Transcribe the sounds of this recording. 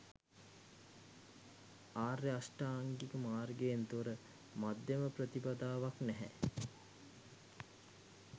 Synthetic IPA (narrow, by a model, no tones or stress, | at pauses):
aːreasʈaːŋɡikəmaːrɡend̪oɾə | mad̪jeməprət̪ipad̪aːʋaknɛɦɛ̰